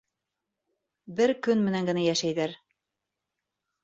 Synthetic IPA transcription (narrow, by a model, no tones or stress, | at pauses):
bɘɾkɵnmɘ̆næŋɡɘ̆næjæʃæjðæɾ